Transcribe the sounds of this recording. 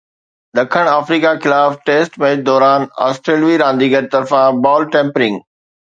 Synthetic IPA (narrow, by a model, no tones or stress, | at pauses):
d̪ɐkʰəɽ̃aːfɾiːkaxɪlaːfʈeːsʈmẽːʈ̚d̪ɔːɾaːna̰ːsʈɾeːlʋiɾãːnd̪iːɡəɾt̪ɐɾfãbɔːlʈẽːmpɾɪ̃ŋɡ